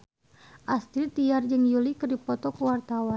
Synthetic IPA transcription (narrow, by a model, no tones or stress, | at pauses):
ʔast̪ɾit̪iard͡ʒɨŋjulikərdipɔt̪ɔkuwart̪awan